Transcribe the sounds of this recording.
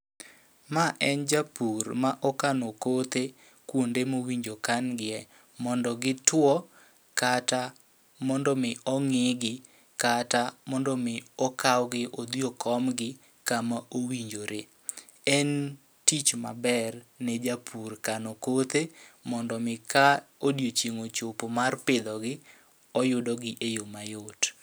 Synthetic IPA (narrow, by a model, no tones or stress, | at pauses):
maʔɛnd͡ʒapʰurmaʔɔkanokot̪e | kwondemowiɲd͡ʒokanɡɪɛ | mɔndɔɡɪtwɔ | kata | mɔndɔmɪɔŋɪɡɪ | katamɔndɔmɪɔkawɡɪʔod̪iokʰɔmɡɪ | kamaowiɲd͡ʒoɾe | ɛn | tit͡ʃma̰bɛrned͡ʒapʰurkanɔkot̪emɔndɔmɪkaodjot͡ʃeŋot͡ʃopomarpɪd̪ɔɡɪ | ɔjʊdɔɡɪʔejomajot